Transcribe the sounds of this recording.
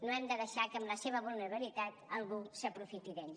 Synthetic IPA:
noɛmd̪əðəʃakəmləseβəβulˠnəɾβəlit̪at̪əlˠɣusəpɾufit̪iðen

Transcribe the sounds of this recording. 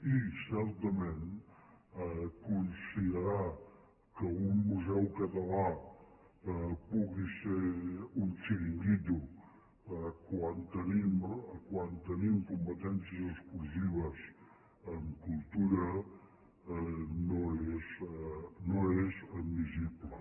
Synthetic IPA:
isɛɾt̪əmen | kunsiðəɾa | kəumːuzɛwkət̪əla | puɣiseɾunt͡ʃiɾiŋɡit̪u | əkwant̪ənimkwant̪ənimkumpət̪ɛnsiəzəskulziβəz | əmkulˠt̪uɾə | noez | noezəd̪miziblə

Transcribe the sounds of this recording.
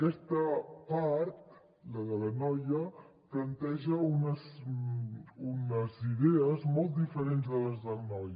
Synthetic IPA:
əkɛst̪əpaɾt̪ | ləðələnɔjə | plənt̪ɛʒəunəs | unəziðɛəzmɔlˠt̪̚d̪ifəɾenzðələzðəlˠnɔj

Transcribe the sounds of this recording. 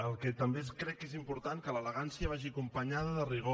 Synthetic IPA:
əlˠkɛt̪əmbeskɾɛkːezimpuɾt̪aŋkələləɣ̞ansjəβ̞aʒikumpəɲaðəðəriɣo

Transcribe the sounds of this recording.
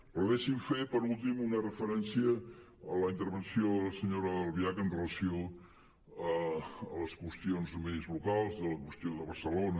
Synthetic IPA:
pəðeʃiɱfepəɾulˠt̪imunərəfəɾɛnsiəː | ləint̪əɾβ̞ənsioðələsəɲoɾəəlˠβiakənrələsio | əələskwəst̪ionzmezβlukalˠzðələkwəst̪ioðəβəɾsəlonə

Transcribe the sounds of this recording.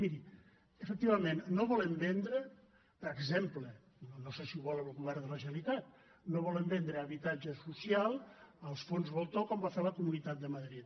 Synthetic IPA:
miɾi | əfək̚t̪iβəmenːoβɔləmbɛnd̪ɾə | pəɾəɡzemplə | nonosesiuβɔləmlˠɣuβɛrd̪ələʒəəlit̪at̪̚ | noβ̞ɔləmbɛnd̪ɾəːβit̪ad͡ʒəsusjalˠəlˠsfonzβolˠt̪okɔmbafeləkumunit̪at̪̚d̪əməðɾit̪

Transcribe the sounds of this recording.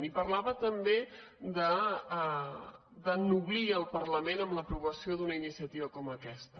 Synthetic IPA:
nipərlaβət̪əmbed̪ə | d̪ənuβliəlˠpərləmenəmləpɾuβəsiod̪unəinisiət̪iβəkɔməkɛst̪ə

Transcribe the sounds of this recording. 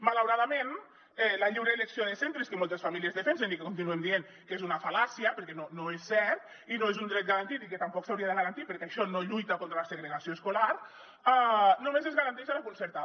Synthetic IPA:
malawɾaðamen | ɛlaʎiwɾeleksioðesent̪ɾeskemɔlˠt̪esfamiliəzðefensenikekunt̪inuemd̪ien | kezunafalasiapəɾkɛnonoesːɛɾt̪ | inoezund̪ɾɛt̪̚ɡaɾant̪it̪iket̪ampɔksawɾiaðeɣaɾant̪ipeɾkeaʃɔnoʎujt̪akont̪ɾalaseɣɾeɣasioeskolaɾ | anomezezɣaɾant̪ɛʃalakunseɾt̪a

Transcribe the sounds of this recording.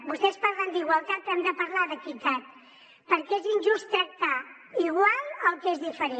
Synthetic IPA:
bust̪ɛspaɾlənd̪iɣwəlˠt̪at̪̚ɛmd̪əpəɾlaðəkit̪at̪̚ | pəɾkezinʲʒust̪ɾak̚t̪a | iɣwalˠəlˠkezðifəɾe

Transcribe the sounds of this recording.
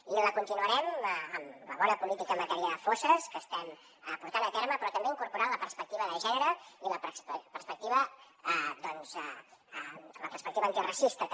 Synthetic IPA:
iləkunt̪inuəɾɛməmləβɔnəpulit̪ikəmət̪ɛɾiəðəfosəskəst̪ɛm | əpuɾt̪anət̪eɾməpɾɔt̪əmbeiŋkuɾpuɾanləpəɾspək̚t̪iβəðəʒɛnəɾəiləppərspək̚t̪iβə | d̪ɔnzɛ | mləpərspək̚t̪iβəːnt̪irəsist̪ə

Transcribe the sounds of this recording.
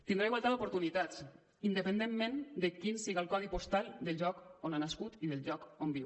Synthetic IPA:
t̪indɾaiɣwalt̪aðopoɾt̪unit̪at͡s | ind̪əpənd̪emːẽnd̪əkinsiɣalkɔðipost̪alˠd̪əlˠʒɔkonanaskut̪iðəlˠʒɔkombiw

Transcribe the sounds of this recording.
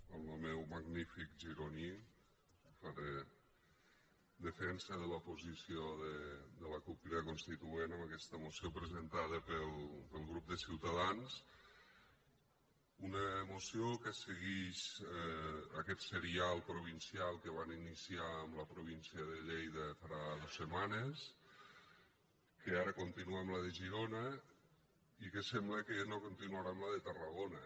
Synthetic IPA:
əlˠnomɛwməɡnifikʒiɾoni | faɾe | d̪əfɛnsəðələpuzisioðəd̪ələkukiɾəkunst̪it̪uenəməkɛst̪əmusiopɾəzənt̪aðəpəlˠpəlˠɣɾup̚d̪əsiwt̪əðans | unəmusijokəsəɣiʃ | ə̰kɛt̪səɾialˠpɾuβ̞insialˠkəβaninisiaəmləpɾuβinsiəðəʎejðəfaɾaðosːəmanəs | kəaɾəkont̪inuəmləðəʒiɾonə | ikəsɛmbləkənokont̪inuaɾamləðət̪ərəɣonə

